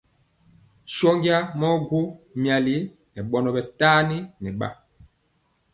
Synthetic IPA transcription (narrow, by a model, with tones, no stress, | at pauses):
sɔ˦ŋɡi˦a˦mɔ˦ɡo˦mja˨li˦ | nɛ˨ɓɔ˨nɔ˨ɓɛ˨taː˦ni˦nɛ˨ɓa̰˦